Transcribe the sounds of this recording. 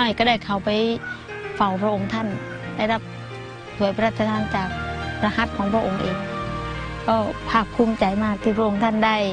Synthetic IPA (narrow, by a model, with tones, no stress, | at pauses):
ɔː˧˩jkɔa˧˩da˧˩jkʰa˧˩wpa˨j | fa˨˩wpʰɾa˧ʔo˧ŋt̪ʰa˧˥˩n | da˧˩jɾa˧˩p̚ | su˨˦əjpɾaː˧˩t̪ʰːa˧t̪ʰaː˧˥˨nt͡ɕaː˨˩k̚ɾa˧ha˧˥t̪̚kʰɔː˨˦ŋpʰɾa˧ʔo˨˩ŋʔeː˨˧ŋ | kɔː˧˩pʰaː˧˩p̚kʰːu˧˥˨mt͡ɕa˨˧˦jmaː˧t̪ʰiː˧˩pʰɾa˧ʔo˧˦ŋt̪ʰa˧˥˩nda˧˩j